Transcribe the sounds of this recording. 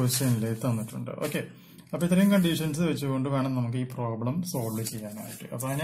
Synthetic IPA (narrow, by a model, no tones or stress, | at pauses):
ʋɐɕjɐnilːeit̪ːɐnːiʈːṵɳɖɨ̰ʔo̞ːkːe̞ | ɐpːoit̪̬ːɐrɐjumkɐɳɖiʂɐns̬ɨʋɐt͡ɕːɨɣo̞ɳɖɨʋe̞ːɳɐmnɐmuk̬ːɨiːpro̞ːbɭɐmso̞ːllɨt͡ɕejːaːna̰ːjḭʈːɨ̰ʔɐ̰pːoːɐn